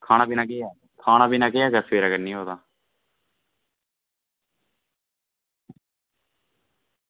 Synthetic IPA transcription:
kʰaːñaːbiːnãːkeːaː | kʰaːñaːbiːnaːkeːaːkəseːɾəɡəɾnĩːɦoːt̪aː

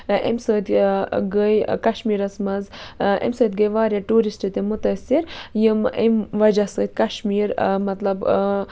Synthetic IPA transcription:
ḛmsəːt̪ʲɡəjkɐʃmiːɾɐsmɐzḛmsəːt̪ɡəjʋaːɾjaʈuːɾisʈɨt̪emut̪ɐsiɾjɨmḛmʋɐd͡ʒasəːt̪̚ʲkɐʃmiːɾmɐt̪lɐb

